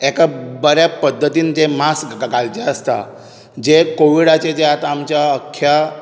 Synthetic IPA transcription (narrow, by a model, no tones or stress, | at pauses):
ekabəɾjapəd̪ʱːət̪iːnd͡ʑemasɡɡɡald͡ʑeəst̪a̰ | d͡ʑekoʋiɽat͡ɕed͡ʑeat̪aːmt͡ɕjaəkʰːja